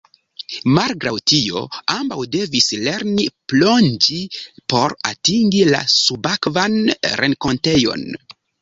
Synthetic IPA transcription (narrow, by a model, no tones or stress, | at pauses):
malɡɾawtio̞̰ambawde̞visle̞ɾniplo̞nd͡ʒipo̞ɾatiŋɡila̰subakvanɾʔe̞nko̞nte̞jo̞̰n